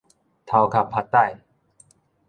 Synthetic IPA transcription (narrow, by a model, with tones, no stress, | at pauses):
t̪ʰa˨˧wkʰa˨˩pʰa˧t̪ːa˥˧˨j